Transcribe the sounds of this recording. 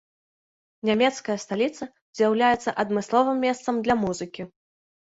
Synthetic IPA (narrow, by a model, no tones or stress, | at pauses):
nʲamʲɛt̪skɐjɐst̪alʲit̪sɐ | zʲjawlʲajɛt̪sːɐʔɐd̪mɨslˠɔvɨmʲːɛst̪sɐmd̪lʲɐmuzɨkʲi